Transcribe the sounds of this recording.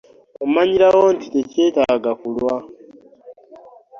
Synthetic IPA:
omaɲiɾawontitece̞ːtaɡakulwa

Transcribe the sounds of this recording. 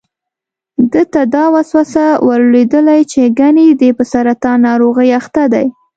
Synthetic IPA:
d̪ət̪ad̪ɑwɑswasawaɾled̪əlajt͡ʃeɡaned̪epəsaɾat̪ɑnɑɾoɣəjaxt̪ad̪aj

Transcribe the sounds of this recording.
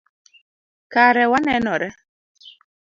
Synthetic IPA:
kaɾɛwanɛnɔɾɛ

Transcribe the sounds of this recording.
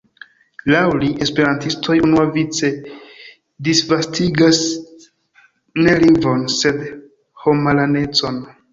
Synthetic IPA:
lawliʔe̞spe̞ɾantistʰo̞junuavit͡se̞ | disvastʰiɡas | ne̞liŋvo̞nse̞d | ho̞malane̞t͡so̞n

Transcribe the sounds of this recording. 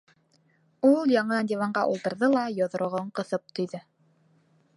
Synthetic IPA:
ulˠjɑɴɤnd̪ʲevɑɴɢɑʔulˠt̪ɤ̆ɾðɤlˠɑjŏðŏɾŏʁɤɴqɤ̆θɤp̚t̪ʰŏjðɤ

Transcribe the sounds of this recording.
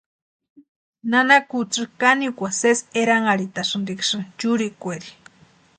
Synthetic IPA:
nanakut͡sɨkaniukʷaseseɾaŋaɾit̪aʂɨnd̪ikʂɨt͡ʃuɾikʷeɾi̥

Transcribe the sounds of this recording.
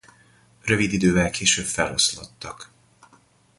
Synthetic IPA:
rø̞vid̪id̪øːvɛlkʰeːʃøbfɛlho̰slot̪ːɒk

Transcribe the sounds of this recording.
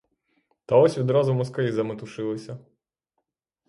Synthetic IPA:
t̪ɐɔsʲʋʲid̪ɾɑzʊmʊskɛizɐmɪt̪ʊʃɪlˠɪsʲɐ

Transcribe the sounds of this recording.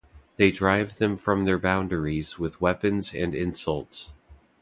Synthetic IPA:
ðeɪdɹaɪvðɨ̃ɱfɹʌ̃mðə˞bãʊ̃ndə˞izwɪðwɛpɨ̃nzɨ̰̃nɪ̃nsʌlˠts

